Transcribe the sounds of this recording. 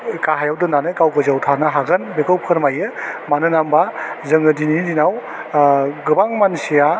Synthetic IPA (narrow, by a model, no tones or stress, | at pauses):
kaɦajawdɯnanɯkawkɯzawtʰanɯɦaɡɯnbekɯwpkʰɯɾmajɯmanɯnambazɯŋɯdinidinaw | ɡɯbaŋmansija